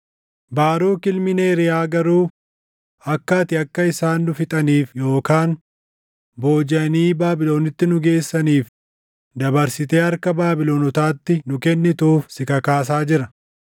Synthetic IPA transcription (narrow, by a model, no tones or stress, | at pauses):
baːɾoːkɪlmɪneːɾɪjaːɡɐɾuː | ɐkːaːt̪ɪɐkːɐɪsaːnːʊfɪt̪ʼɐniːfjo̞ːkaːn | bo̞ːd͡ʒɐniːbaːbɪlo̞ːnɪt̪ːɪnʊɡe̞ːsːɐniːf | d̪ɐbɐɾsɪt̪e̞ːɐɾkɐbaːbɪloːnɔt̪aːt̪ːɪnʊkɛnːɪt̪ʊːfsɪkɐkaːs̬aːd͡ʒɪɾɐ